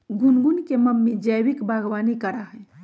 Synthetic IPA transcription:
ɡunɡunkeməmːed͡ʒəjwikbaɡʋanikəɾaɦɛ

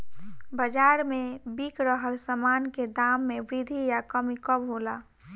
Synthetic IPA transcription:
bəd͡ʒaɾmebikɾəɦəlsəmanked̪amːebɾid̪ʱijakəmikəbɦola

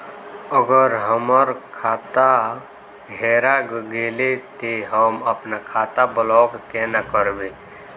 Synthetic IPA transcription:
əɡəɾɦəməɾkʰaːt̪a | ɦeːɾaɡɡeːlet̪eɦəməpnakʰaːt̪abəlɔːkkenakəɾbe

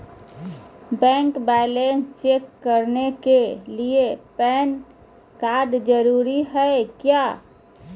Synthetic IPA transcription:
bɛ̃ŋkbalenst͡ʃekːəɾnekeliepɛn | kaɾɖd͡ʒəɾuɾiɦəekja

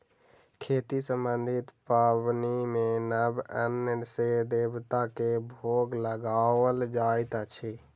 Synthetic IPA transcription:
kʰeːt̪isəmbənd̪ʱɪt̪pabnimẽnəbə̰nəsed̪eːbt̪akebʱoːɡləɡaːwəld͡ʒaːjt̪at͡ʃʰi

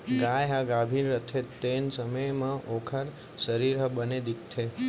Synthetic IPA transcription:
ɡajɦãɡabʱinɾət̪ʰet̪ensəməjmãʔokʰəɾ | səɾiɾəbəned̪itt̪ʰːe

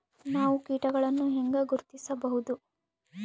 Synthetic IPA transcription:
naːʋukiːʈɐɡɐɭɐnːuɦeŋɡɐɡuɾt̪isɐbɐɦud̪u

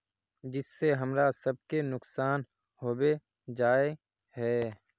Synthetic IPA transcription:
d͡ʒɪsːeɦɐmɾasɐb̚kenʊksaːn | hoːbe | d͡ʒaːe | hɛː

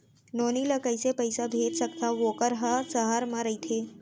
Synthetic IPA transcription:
noːniləkəɪsepɐɪsabʱeːd͡ʒ̪sɐkt̪aʋoːkəɾɦasɐɦaɾmãɾɐit̪ʰeː

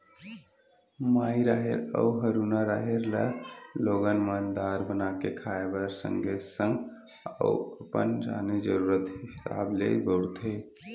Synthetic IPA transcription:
maiɾaɦeɾə̰uɦəɾunaɾaɦiɾləloɡənmənd̪aɾbənakekʰaebəɾsə̰ŋɡʱesə̃ŋɡ | ə̰uəpə̰nd͡ʒa̰ned͡ʒəɾuɾət̪ɦisa̰blḛbəɽt̪ʰə

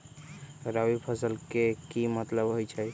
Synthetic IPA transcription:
ɾawipʰəsəlkekimət̪ləbɦojt͡ʃʰəj

